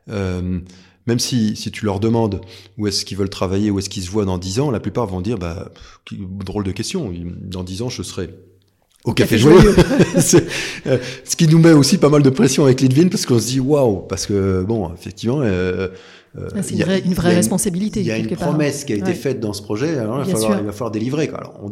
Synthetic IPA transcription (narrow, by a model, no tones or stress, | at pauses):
øm | mɛmsisit̪ʰylœʁd̪əmɑ̃d̪uɛskʲivœlt̪χavajeuɛskʲils̬əvwad̪ɑ̃d̪izɑ̃laplypaʁvɔ̃d̪iʁba̰kd̪ʁold̪əkʲɛst̪jɔ̃id̪ɑ̃d̪izɑ̃ʒəsʁɛ | okafeʒwajøsɛ | sə̥kʲinumɛosipamald̪əpχɛsjɔ̃avɛklid̪vinpaʁsəkɔ̃səd̪iwawpaʁsə̥kəbɔ̃efɛk̚t̪ivmɑ̃ | ø̰ijaynvʁɛʁɛspɔ̃sabilit̪eljaynpχɔmɛskʲiaeefɛt̪̚d̪ɑ̃sə̥pχɔʒɛalɔʁivaffalwaʁilvafalwaʁd̪elivʁekwa̰a̰lɔ̰ʁɔ̰̃